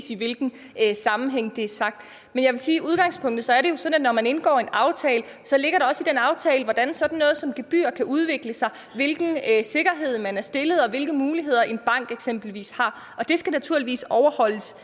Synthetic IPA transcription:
siʋe̝lɡ̥n̩ | sɑ̈mn̩ɦeŋ̰d̥e̝æɐsɑ̈ɡ̥̚d̥ | menjɑ̈ɪe̝siːʔuð̞ˠɡ̥ɑ̈ŋ̰spʰɔ̽ŋ̰d̥ð̩ˠsɒ̽æɐɾe̝jo̝sɒ̽dnædnɒmæne̝nɡ̥ɒ̰ːe̝nɑ̈ʊt͡sʰɛːlə | sɒ̽le̝ɡ̥ɐɾe̝ɒ̽sid̥enɑ̈ʊt͡sʰɛːləʋɒd̥ænsɒ̽d̥n̩ːɔ̽ːð̞̩ˠsɒ̽mɡ̥e̝b̥y̰ːɐkʰæʔuð̞ˠʋe̝ɡ̥ləsɑ̈ɪ | ʋe̝lɡ̥n̩se̝ɡ̥ɐɦe̝ð̰ˠmænæɐsd̥e̝ləð̩ˠɒ̽ʋe̝lɡ̥əmuːliɦe̝ð̞̰ˠɐʔe̝nb̥ɑ̈ŋ̰ɡ̥eɡ̥sem̰b̥l̩ʋḭːshɑ̈ | ʔɒ̽d̥e̝sɡ̥ænæt͡sʰuɐ̰liʋḭːsɒʊɐhɒ̽l̰əs

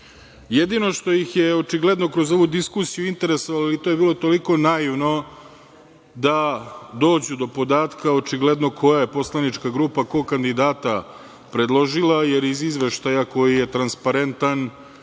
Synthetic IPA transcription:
jed̪ino̞ʂt̪o̞jixjeo̞t͡ʃiɡle̞d̪no̞kɾo̞zo̞ʋud̪iskusijuint̪e̞ɾe̞soʋaloilit̪oje̞biːlˠo̞t̪o̞liko̞najiʋno̞ | d̪ad̪o̞ːd͡ʑud̪o̞po̞d̪aːt̪kao̞t͡ʃiɡled̪no̞kʰo̞jaje̞po̞slˠanit͡ʃkaɡɾuːpako̞kand̪id̪aːt̪a | pɾed̪lˠo̞ʒilaje̞ɾizizʋe̞ʃt̪ajako̞jijet̪ɾanspaɾe̞nt̪an

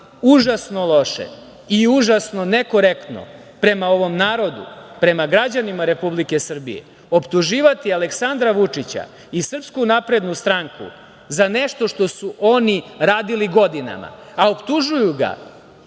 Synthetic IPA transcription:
uʒasno̞lˠo̞ʃḛ | iuʒasno̞neko̞ɾekt̪no̰ | pɾe̞mao̞ʋo̞mnaːɾo̞d̪ṵpɾe̞maɡɾad͡ʑanimaɾe̞publike̞sr̩bḭjḛ | o̞pt̪uʒiːʋat̪iale̞ksand̪ɾaʋut͡ʂit͡ɕa̰ | isr̩pskunapɾe̞d̪nust̪ɾaŋkṵ | zane̞ʃt̪o̞ʃt̪o̞suʔo̞niɾaːd̪iliɡo̞d̪ina̰ma̰ao̞pt̪uʒujuɡa̰

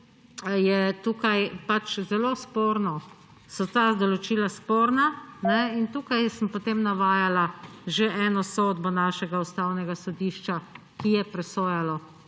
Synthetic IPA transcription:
jɛt̪uːkajpat͡ʃzɛloːspoːɾnɔ | sɔt̪ad̪ɔlɔt͡ʃiːlaspoːɾnanɛint̪uːkajsəmpot̪eːmnaʋaːjalaʒeʔɛːnɔsod̪bɔnaːʃɛɡaust̪awnɛɡasɔd̪iːʃt͡ʃa | kijɛpɾɛsoːjalɔ

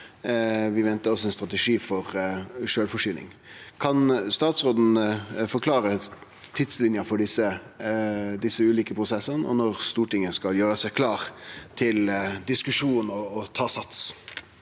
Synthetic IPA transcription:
ʋɪʋɛnt̪əɔsɔɛnst̪ɾʁɑt̪ɛʂiːfɔʁʂøːlfɔʂyːnɪ̰ŋ | kʰɑnst̪ɑːt̪sʁoːd̪n̩fɔɾkʰlɑːɾə | t̪ʰɪt̪slɪnjəfɔɖɪsə | d̪ɪsːəʉːliːkəpʰɾʊsɛsːənʔɔ̰nɔʁst̪uːʈɪŋːəskɑljøːɾəsɛɪkʰlɑːʁt̪ʰɪld̪ɪskʉʂuːnɔːt̪ʰɑːsɑt̪s

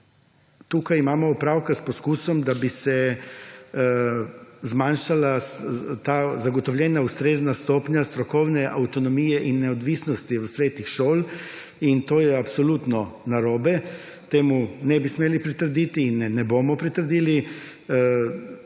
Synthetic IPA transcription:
t̪uːkajimaːmɔupɾawkaspɔskuːsɔmd̪abisɛ | zmanʃalat̪aːzaɡɔt̪ɔwljɛːnaust̪ɾeːznast̪oːpɲast̪ɾɔkɔwnɛʔawt̪ɔnɔmiːjɛʔinːɛɔd̪ʋiːsnɔst̪iʋəsʋeːt̪nixʃoːl | int̪oːjɛapsɔlut̪nɔnaɾoːbɛ | t̪eːmunɛbismeːlipɾit̪əɾd̪iːt̪iːnɛːɛbomɔpɾit̪əɾd̪iːli

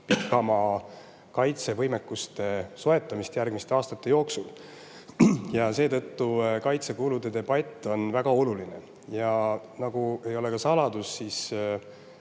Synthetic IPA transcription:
pikːˑɑmɑ | kɑjt̪se̞vɤjme̞kːust̪e̞soe̞t̪ːˑɑmist̪jærɡ̥mist̪eɑːst̪ɑt̪ːˑe̞jo̞ːksul | jɑse̞ːt̪ɤ̞t̪ːukɑjt̪se̞kulud̪̥e̞d̪e̞b̥ɑt̪ʲːˑo̞nvæɡ̥ɑo̞luline̞ | jɑ | nɑɡ̥ue̞jo̞le̞kɑsɑlɑd̪̥usːiːs

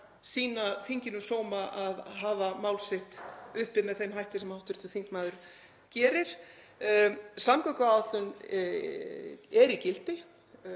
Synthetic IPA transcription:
siːnaθiɲcɪnʏsoːwmaʔaðɦaːvamaːwlsɪht̪ʏhpɪmɛðθejmhajht̪ɪsɛmawht̪ʏɾ̥t̪ʏθiŋkmaːðʏɾ̥ | cɛːɾɪɾ̥ | samkakaat̪lʏn | ɛɾicɪlt̪ɪ

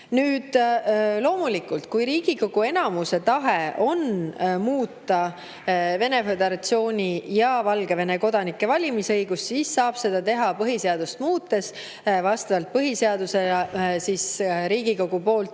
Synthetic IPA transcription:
nyːd̪̥lo̞ːmulikːult̪̚kujɾiːɡ̥iko̞ɡ̥ue̞nɑmuse̞t̪ɑɦe̞ʔo̞nmuːt̪ːɑ | ve̞ne̞fe̞d̪e̞ɾɑt̪sio̞ːnʲijɑvɑlɡe̞ve̞ne̞ko̞d̪̥ɑnikːˑe̞vɑlʲimisɤjɡ̥ussisːɑːb̥se̞d̪̥ɑt̪e̞ɦɑpɤɦise̞ɑd̪̥ust̪muːt̪ːˑe̞s | vɑst̪ɑvɑlt̪̚pɤɦise̞ɑd̪̥use̞siːsɾiːɡ̥iko̞ɡ̥upo̞ːlt̪

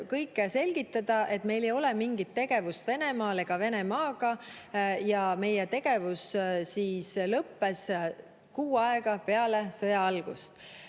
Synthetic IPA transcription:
kɤjkːˑese̞lʲɡ̥it̪ːˑɑd̪̥ɑʔe̞t̪me̞jle̞jo̞lɛmiŋɡit̪ːe̞ɡ̥e̞vust̪ve̞ne̞mɑːle̞ɡ̥ɑve̞ne̞mɑːɡ̥ɑ | jɑme̞jet̪e̞ɡ̥e̞vussiːslɤpːe̞s | kuːɑe̞ɡ̥ɑpe̞ɑle̞sɤjɑɑlɡ̥ṵst̪

